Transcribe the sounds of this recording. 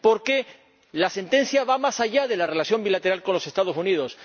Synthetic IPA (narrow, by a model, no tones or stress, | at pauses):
po̞ɾke | lase̞nt̪ẽ̞n̟θjaβamasaʝað̞e̞lare̞laθjo̞mbilat̪e̞ɾalko̞nlo̞se̞st̪að̞osuniðo̞s